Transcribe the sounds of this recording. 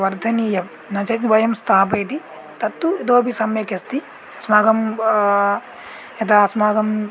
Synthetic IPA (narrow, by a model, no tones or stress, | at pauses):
ʋɐɾd̪ʱɐnijɐ | nɐt͡ʃɐt͡ʃnbɐjɐmst̪ʰaːpɐjt̪i | t̪ɐt̪ːuid̪oːbʱisɐmjɐkest̪i | ɐsmaːɡɐm | ɐt̪aɐsmaːɡɐm